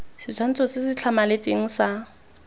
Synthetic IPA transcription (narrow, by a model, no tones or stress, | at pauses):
sɪt͡sʰan̩t͡sʰɔsɪsɪt͡ɬʰamalet͡sʼeŋ̩sa